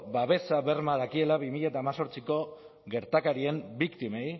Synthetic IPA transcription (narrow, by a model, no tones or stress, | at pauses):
baβe̞saβe̞ɾmað̞akie̞laβimiʎaet̪aːmaso̞ɾt͡siko̞ | ɣe̞ɾt̪akaɾie̞mbikt̪imej